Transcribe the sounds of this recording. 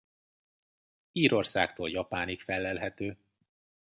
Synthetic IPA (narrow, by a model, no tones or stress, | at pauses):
iːɾo̞rsa̰ːkt̪o̰ːljɒpaːnikfɛlːɛlɦɛt̪øː